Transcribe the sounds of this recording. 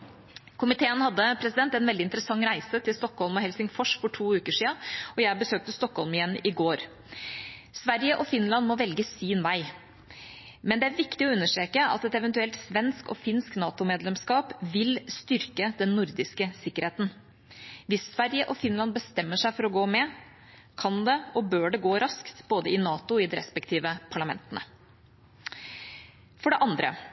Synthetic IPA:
kʰʊmɪt̪ʰeːənhɑd̪ːəpʰɾɛsɪd̪ɛnt̪ɛnʋɛld̪ɪnt̪əɾəsɑŋːɾæɪsət̪ʰɪlst̪ɔkːhɔlmɔhɛlsɪŋfɔʂfɔʈʰuːʉːkəʂiːɑɔjæɪbəsøːk̚t̪əst̪ɔkhɔlmɪjɛnːɪɡoːɾ | sʋæɾjəʔɔfɪnːlɑnmɔʋɛlɡəsiːnʋæɪ | mɛnd̪ɛæɾʋɪkt̪ɪɔʉnːəʂʈɾeːkəʔɑ̰t̪ɛt̪ɛʋɛnt̪ʉɛlt̪sʋɛnskɔ̰fɪnsknɑːt̪ʊmeːd̪lɛmskɑːpʋɪlst̪ʏɾkəd̪ɛnːʊɾd̪ɪskəsɪkːəɾheːt̪n̩ | ʋɪsːʋæɾjəʔɔfɪnlɑnbəst̪ɛmːəʂæɪfɔɾɔɡoːmɛ | kʰɑnd̪ɛɔbøːɖɛɡoːɾɑskt̪boːd̪əɪnɑːt̪ʊɪd̪ɛɾɛ̰spɛkt̪ʰiːʋəpʰɑɭɑmɛ̰nt̪ənə̰ | fɔɖɛʔɑnd̪ɾə̰

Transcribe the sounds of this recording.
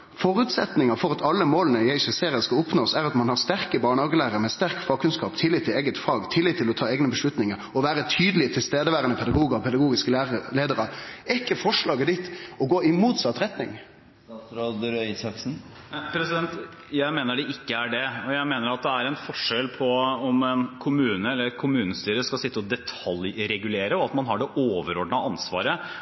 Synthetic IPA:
fɔɾʉːt̪sɛt̪nɪŋɑfɔɾɑt̪ʰɑlːəmoːlənəɪæɪsɛseːɾɪəskɑʊpnoːsæɾɑt̪mɑnhɑɾst̪æɾkəbɑːɳəhɑːɡəlæːʁəɾmɛst̪æɾkfɑɡkʰːʉnskɑːpt̪ʰɪlːɪt̪ʰːɪleːɡət̪fɑːɡt̪ʰɪlːɪt̪ːɪlɔt̪ʰɑːɛːɡnəbəʂɭʉt̪nɪŋəɾɔʋæːɾət̪ʰyːd̪əlɪt̪ʰɪlst̪eːd̪əʋæːɾənəpʰɛd̪ɑɡuːɡəɾɔpʰɛd̪ɑɡuːɡɪskəleːd̪əɾəɛkːəfɔʂɭɑːɡəd̪it̪ːɔɡoːɪmuːt̪sɑt̪ːɾɛt̪nɪ̰ŋ | t̪ɾod̪ɾœʏsɑksn̩ | pʰɾɛsɪd̪ɛnt̪ | jæɪmeːnəɖɛʔɪkːəæɖɛɔjæɪmeːnəɾɑt̪̚d̪ɛæɾɛnfɔʂɛlpʰɔɔmɛnkʰʊmʉːnəɛlːəɾkʰʊmʉːnəst̪yːɾəskɑlsɪt̪ːəɔd̪ɛt̪ʰɑlɾɛɡʉleːɾəɔɑt̪mɑnɦɑɖɛʔoːʋəɾɔɖnɑɑnsʋɑ̰ːɾə

